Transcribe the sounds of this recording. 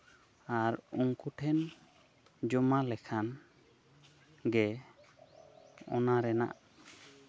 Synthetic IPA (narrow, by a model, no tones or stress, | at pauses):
aɾuŋkuʈʰɛn | d͡ʒɔmalɛkʰan | ɡɛ | ɔ̰naɾɛna̰ʔ